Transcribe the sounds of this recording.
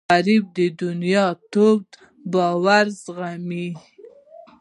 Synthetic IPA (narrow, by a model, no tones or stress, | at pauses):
aɾɪb̚d̪əd̪ʊnjɑt̪obd̪ | bɑwaɾzɣami